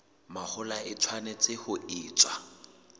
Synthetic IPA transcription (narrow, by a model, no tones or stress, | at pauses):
mahʊlaɪt͡sʰwanɛt͡sʼɪhʊiːt͡sʼwa